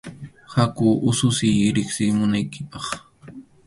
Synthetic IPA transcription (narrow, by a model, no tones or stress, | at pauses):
hakʊːʔʊsʊsɪjɾɪksɪmʊnajkɪpɑχ